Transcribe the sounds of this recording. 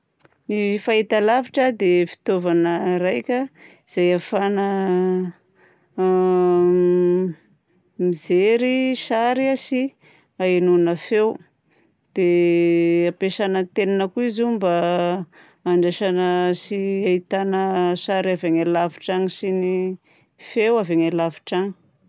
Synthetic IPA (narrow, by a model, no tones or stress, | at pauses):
nifaɦit̪alaviʈ͡ʂəd̪efi̥t̪ovanəɾajkʲə | iz̥ajafanə | mizeɾiʃaɾiasi | ainunafew | d̪̥e | apeʃanət̪eninəkuizumba | aɳɖ͡ʐeʃanəsiait̪anəsaɾaveŋelaviʈ͡ʂaŋisini | fewaveŋelaviʈ͡ʂaŋi̥